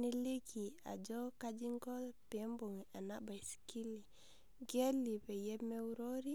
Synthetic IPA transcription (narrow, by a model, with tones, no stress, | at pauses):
ne˦le˦ki˨a̰˨d͡ʒɔ˦ka˦d͡ʒi˦ŋɡɔ˦lpɛ˨mbo˨ŋ˨a˨na˦ba˨jski˦li˨ | ɡɛ˦li˨pɛ˨jɛ˦me˦u˦ɾo˦ɾi˦